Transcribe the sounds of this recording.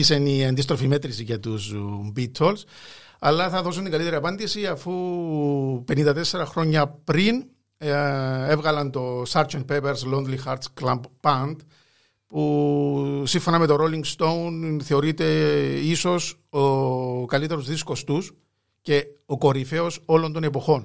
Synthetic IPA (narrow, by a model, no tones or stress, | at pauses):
iseniɐnd̪is̬t̪ɾo̞fimet̪ɾisiʝɐt̪usmbit̪ʰo̞ls | ɐlːɐθɐðo̞s̬unt̪iŋɡɐlit̪e̞ɾiɐpɐnd̪isiɐfu | pe̞nind̪ɐt̪esːeɾɐxɾo̞ɲːɐpɾin | evɣɐlɐnt̪o̞sɐɾd͡ʒɐnt̪̚pepeɾslond̪lixɐɾt̪sklɐmbbɐnd̪ | pu | siɱfonɐmet̪oɾoliŋɡst̪o̞wunθe̞o̞ɾit̪e̞iso̞s | okɐlit̪e̞ɾuzðisko̞st̪us | ce̞oko̞ɾife̞o̞so̞lo̞nt̪o̞ne̞po̞xo̞n